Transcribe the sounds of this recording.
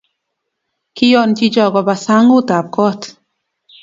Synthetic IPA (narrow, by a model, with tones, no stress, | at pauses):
kijɔ˨ʔncid͡ʒɔ˨ɡɔ˨ba˨saŋu˦t̪a˨p̚kɔ˦t̪